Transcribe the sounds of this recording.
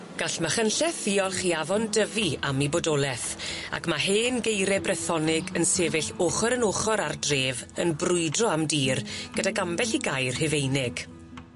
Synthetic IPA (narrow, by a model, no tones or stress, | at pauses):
ɡ̥aɬmaχənɬɛθiːɔlˠχiavɔndəviamibodɔlˠɛθa̰kʰmaɦeːnɡejɾɛbrɛθɔnɪɡənseːvɪɬoχɔɾənoχɔɾardreːvənbrʊɨdrɔamdiːrɡ̥ədaɡambɛɬiɡajrhɪvejnɪɡ̥